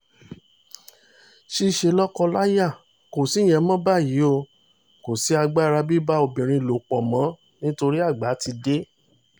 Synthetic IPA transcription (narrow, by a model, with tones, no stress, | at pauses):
ʃi˦˨ʃe˧lɔ˦kɔ˧la˦ja˦˨ | ko˨si˨˦˨j̃ɛ̃˧˦mɔ̃˦ba˦˨ji˨˦o˦˧ | ko˨si˨˦a˧ɡ͡ba˦˨˧ɾa˧bi˦ba˦o˧bĩ˨ɾ̃ĩ˧˨lo˨k͡pɔ˨mɔ̃˨˦ | nĩ˦to˧ɾi˦a˦˨ɡ͡ba˨˦ti˧de˦